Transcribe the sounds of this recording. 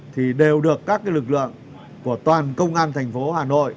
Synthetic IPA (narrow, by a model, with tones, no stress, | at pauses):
t̪ʰi˨˩ɗe˨˩wɗɨ˨˩əkːaː˦˥k̚ːaː˨˦jlɨ˨˩k̚lɨ̰˧˨əŋ | ku˧˩ət̪waː˨˩nkə˧wŋ͡mʔaː˧nt̪ʰɛ˨˩jŋ̟fo˨˦haː˨˩no̰˧˨j